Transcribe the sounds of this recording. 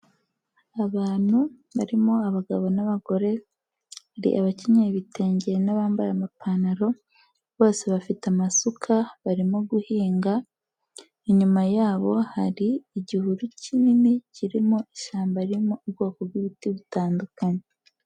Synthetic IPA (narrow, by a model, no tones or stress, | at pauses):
aβaːn̥hu | βaɾimoaβaɡaβo̞naβaɡo̞ɾe̞ | haɾḭʔa̰βaceɲeβite̞ːɲɟeɾnaβaːmbaɾamapanaɾo̞ | βo̞ːse̞βafitamasukʰaβaɾimoɡuhiːŋɡa | iɲumajaːβo̞haɾiːɟihuɾucʰinimiciɾimoiʃaːmbaɾimoubɡo̞ːkobɡiβitiβutaːndukaɲe